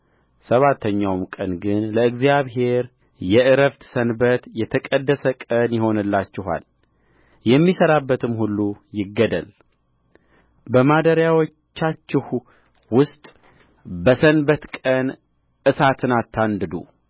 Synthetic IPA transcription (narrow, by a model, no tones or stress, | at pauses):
səβat̪ʰːəɲːawmkʼənɡɨnləɨɡzjaβhe̞ɾ | jɛʔɨɾəft̪sənbət̪jɛt̪ʰəkʼəd̪ːəsəkʼənjɪho̞nɨlːat͡ʃːɪɦa̰l | jɛmːisəɾabːət̪ʰɨmhulːujɪɡːəd̪ə̰l | bəmad̪əɾjawot͡ʃt͡ʃːat͡ʃːɪh | wʊst̪ʼ | bəsənbət̪kʼən | ʔɨsat̪ʰɨnat̪ʰːand̪ɨd̪ṵ